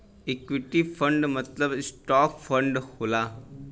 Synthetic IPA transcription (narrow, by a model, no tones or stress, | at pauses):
ekʋiʈifʰə̃ɳɖmɐt̪ləbsʈɔːkfʰəɳɖhoːlaː